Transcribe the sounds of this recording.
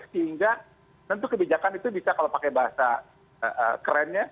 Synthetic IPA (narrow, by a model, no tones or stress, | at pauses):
səɦiŋɡa | t̪ənt̪ʊkəbid͡ʒakanit̪ubisakalopakɛbaɦasa̰ | əʔə̰kəɾɛnɲa